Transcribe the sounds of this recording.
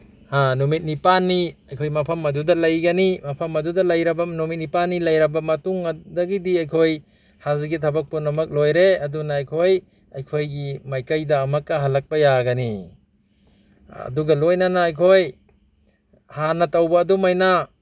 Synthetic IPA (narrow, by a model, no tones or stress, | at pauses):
hanumit̚nipanːiɐjkʰojmɐpʰɐmɐdudɐlɐjɡɐnimɐpʰɐmɐdudɐlɐjɾɐbɐnumit̚nipanːilɐjɾɐbɐmɐtuŋɐdɐɡidiɐjkʰoj | hazɡitʰɐbɐk̚punɐmɐk̚lojɾeɐdunaːjkʰoj | ɐjkʰojɡimajkajdɐːmɐkːɐɦɐlɐk̚pɐjaɡɐni | ɐ̰duɡɐlojnanaːjkʰoj | hanɐtawbɐːdumajna